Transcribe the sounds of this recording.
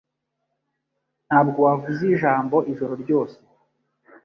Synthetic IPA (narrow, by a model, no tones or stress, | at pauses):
n̥haːb̚ɡowavuziʒaːmbo̞ʔiʒo̞ɾo̞ɾɟo̞ːse̥